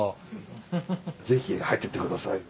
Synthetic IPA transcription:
ze̞çihait̪ːet̪ːekɯ̟d̪asa̰i

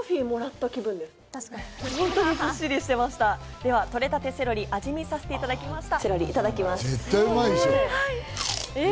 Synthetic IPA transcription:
ɸʲimo̞ɾat̪ːakʲibɯ̟̃nd̪esɨ̥hõ̞nt̪o̞ɲ̟ihoɕːiɾʲiɕi̥t̪e̞maɕi̥t̪a | d̪e̞βat̪o̞ɾe̞t̪at̪e̞se̞ɾo̞ɾʲiʔaʑimʲisaset̪e̞it̪ad̪akʲimaɕi̥t̪ase̞ɾo̞ɾʲiːt̪ad̪akʲimasɨet̪ːaiomaisohaie

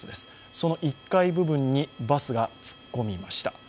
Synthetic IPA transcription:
ɨd̪e̞sɨ̥ | so̞no̞ʔikːaibɯ̟bɯ̟̃ɲ̟ːibasɨɡat͡sɨ̥kːo̞mʲimaɕi̥t̪a

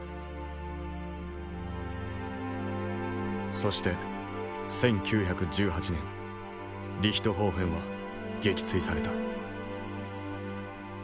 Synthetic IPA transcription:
so̞ɕi̥t̪e̞ | sẽ̞ŋkʲʰɨːçakɯ̟d͡ʑɨːɦat͡ɕinẽ̞ŋ | ɾʲiçʲi̥t̪o̞ɦo̞ːɸẽɰ̃βa | ɡe̞kʲi̥t͡sɨisaɾe̞t̪a

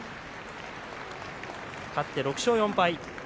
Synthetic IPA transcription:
hat̪ːe̞ɾo̞kɯ̟̥ɕo̞ːjõ̞mpai

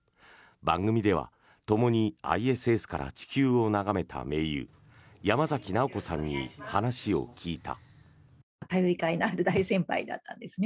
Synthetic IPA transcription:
bãŋɡɯ̟mʲid̪e̞βa̰ | t̪o̞mo̞ɲ̟ia̰ie̞sɨe̞sɨ̥kaɾa̰t͡ɕi̥kʲɨːo̞naɡame̞t̪ʰa̰me̞ːjɯ̰ː | jamazakʲinao̞ko̞sãɲ̟ːihanaɕio̞̰kʲʰiːt̪a̰ | kajoɾʲikainaːɾɯ̟d̪aisẽ̞mpa̰id̪a̰t̪ːã̰nd̪e̞sɨne

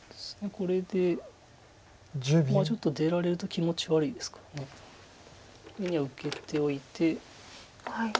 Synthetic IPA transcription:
d̪̥esɨ̥ne̞kʰo̞ɾe̞d̪e̞ | maːt͡ɕo̞t̪ːo̞d̪e̞ɾaɾe̞ɾɯ̟t̪o̞kʲimo̞t͡ɕiβaɾɯid̪e̞sɨ̥kḁɾane̞ | meɲ̟ːiβaɯ̟ke̞t̪e̞o̞it̪e̞ | hai

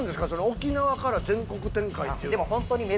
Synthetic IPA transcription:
nd̪sɨ̥kaso̞nookʲinaβakaɾazẽ̞ŋko̞kɯ̟t̪ẽ̞ŋkait̪ːeid̪emohõ̞nt̪oɲ̟ime

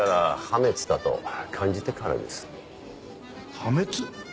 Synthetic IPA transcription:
aɾahame̞t͡sɨ̥d̪at̪o̞̰kʰãɲ̟d͡ʑit̪e̞kaɾa̰d̪e̞sɨ̥ | hamet͡sɨ

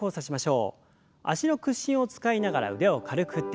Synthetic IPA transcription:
o̞ːsaɕimaɕo̞ː | a̰ɕino̞kɯ̟ɕːĩɰ̃o̞t͡sɨ̥kainaɡaɾa̰ɯ̟̰ɾe̞o̞kaɾɯ̟kɯ̟t̪ːe

